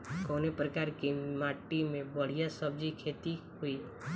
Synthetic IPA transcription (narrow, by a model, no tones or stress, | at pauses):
kɔːnepɾəkaːɾkimaːʈːimẽbəɽ̤ijasəb̚d͡ʒikʰeːt̪i | hui